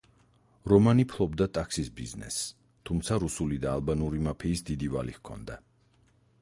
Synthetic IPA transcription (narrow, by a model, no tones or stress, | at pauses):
ɾɔmanipʰlˠɔbd̪at̪ʼaksisbiznɛ̰s | t̪ʰumt̪sʰaɾusulid̪aːlˠbanuɾimapʰiːsd̪id̪iva̰lihkʰɔ̰nd̪a